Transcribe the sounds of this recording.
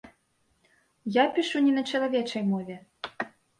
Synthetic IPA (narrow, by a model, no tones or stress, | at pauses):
japʲiʂunʲɛnɐt͡ʂɐlˠavʲɛt͡ʂɐjmɔvʲɛ